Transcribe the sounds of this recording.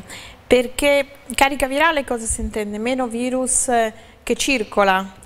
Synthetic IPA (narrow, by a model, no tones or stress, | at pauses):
perke | kaːɾikaviɾaːlekɔːzesint̪ɛnd̪emeːnoviːɾus | k̟et͡ʃːirkola